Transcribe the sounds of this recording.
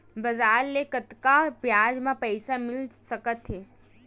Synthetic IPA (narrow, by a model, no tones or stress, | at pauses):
bɐzaːɾlekət̪kapjaːd͡ʒmãpəɪsamɪlsɐkət̪ɦeː